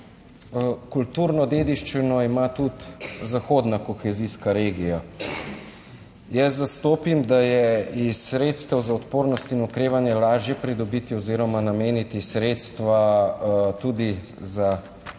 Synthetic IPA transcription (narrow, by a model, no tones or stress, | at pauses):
kult̪uːɾnɔd̪eːd̪iʃt͡ʃinɔimat̪ut̪zaxoːd̪nakɔxɛziskaɾeːɡija | jɛszast̪oːpimd̪ajɛisɾeːt̪st̪ɛwzaɔt̪poːɾnɔst̪inɔkɾeːʋanjɛlaːʒjɛpɾid̪ɔbit̪ioziːɾɔmanameːnit̪isɾet̪st̪ʋa | t̪ud̪i | za